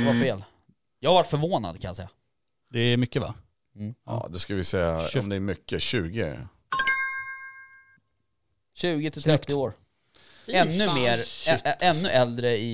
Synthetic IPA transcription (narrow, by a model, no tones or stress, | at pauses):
vafeːl | jɑːhaɾvaʈːfœɾvoːna̰d̪̚kʰanjasɛ̰jːa | d̪ɛːmʏkːəva̰ː | d̪ɛskavɪsɛjaɔmd̪ɛːɾmʏkːəɕʉ̟ːɡɪ̰ | ɕʉ̟ːɡɪt̪ʰɪlt̪ʰɾɛt̪ːɪoːɾ | ɛnːɵmeːɾɛɛnːɵʔɛld̪ɾəɪ